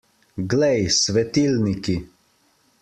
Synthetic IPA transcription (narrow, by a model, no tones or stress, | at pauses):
ɡlɛjsʋɛt̪ilniki